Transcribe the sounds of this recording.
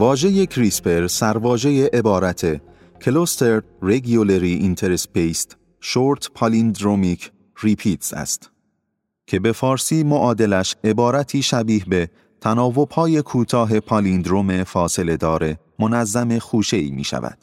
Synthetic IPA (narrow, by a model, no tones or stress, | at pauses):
vɒːʒe̞je̞kʰɾispe̞ɾsæɾvɒːʒe̞je̞ʔebɒːɾæt̪ʰe̞ | kʰelost̪eɾd̪ɾeɡioleɾiʔint̪ʰeɾespejst̪ | ʃoɾt̪ʰpʰɑlind̪ɾomikʰ | ripʰiːt̪sæ̰st̪ | cʰe̞be̞fɒːɾsiːmoʔɒːd̪e̞læʃe̞bɒːɾæt̪ʰiːʃæbiːɦbe̞ | t̪ʰænɒːvo̞b̥hɒːje̞kʰuːt̪ʰɒːɦe̞pʰɑlind̪ɾome̞fɒːse̞le̞d̪ɒːɾe | mo̞næzːæme̞xuːʃe̞ḭːmḭːʃæ̰væ̰d̪̥